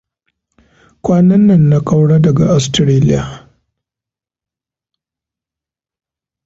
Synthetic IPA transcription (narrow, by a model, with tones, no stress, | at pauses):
kʷaː˦nɐ˦nːɐ˨nːa˦kʼa˦wɽa˦dɐ˨ɡa˨ʔa˨stɾeː˦lɪ˦ja˨